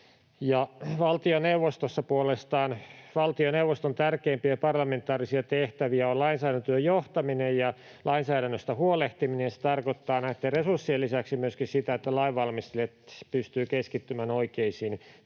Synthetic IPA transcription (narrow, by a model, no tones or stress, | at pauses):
jɑʋɑlt̪ioneuʋːost̪osːɑpuolest̪ɑːnʋɑlt̪ioneuwʋːost̪ont̪ærkeːmpiæpɑrlɑment̪ːˑɑːrisiɑt̪eht̪æʋiæolɑinsæːdænt̪øːjoht̪ɑminejjɑ | lʔɑinsæːɾænːøst̪ɑhuoleht̪iminejɑse̥t̪ɑrkot̪ːɑːnæit̪ːeresursːielːisæksimyøskissit̪æet̪ːælɑiʋʋɑlmist̪eliet̪pyst̪yːkeskit̪ːymænoikeisiːn